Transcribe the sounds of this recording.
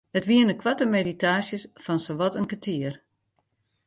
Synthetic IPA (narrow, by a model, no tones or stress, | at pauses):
ətʋiənəkʰwatəmeditaːsjəsfɔnsoʋɔtənkətʰiər